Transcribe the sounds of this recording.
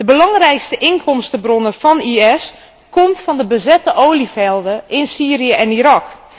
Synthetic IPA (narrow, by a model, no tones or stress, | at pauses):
d̥əbəlɑŋrɛjkstəʔɪnkʰɔmstəbronəfɔniɛs | komtfɑndəbəzɛtəʔowlifɛlˠdəʔɪnsiːrijəʔɛniɾɑk